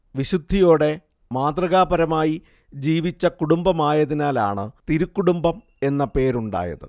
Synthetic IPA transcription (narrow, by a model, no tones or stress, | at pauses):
ʋiɕud̪ʱːijo̞ːɽe̞ | maːd̪rɐɣaːbɐɾɐmaːji | d͡ʑiːʋit͡ɕːɐkuɽumbɐmaːjɐðinaːla̰ːɳɨt̪iɾukːuɽumbɐm | e̞nːɐpe̞ːɾuɳɖa̰ːjɐ̰ðɨ̰